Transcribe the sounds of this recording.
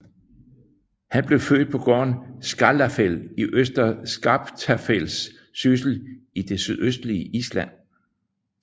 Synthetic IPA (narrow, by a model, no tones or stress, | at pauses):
hænb̥le̝ʊfø̰ːd̥̚pʰɒ̽ɡ̥ɒ̰ːnsɡ̥ɑlæfeliʔøsd̥ɐsɡ̥ɑb̥t͡sʰæfel̰sː | ys̬l̩id̥e̝syðˠøsd̥liəʔislæn̰